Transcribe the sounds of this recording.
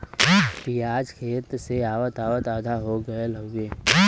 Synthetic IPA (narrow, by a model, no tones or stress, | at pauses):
piaːd͡ʒkʰeːt̪seaːwət̪aːwət̪aːd̪ʱaɦoɡəeləɡɡeː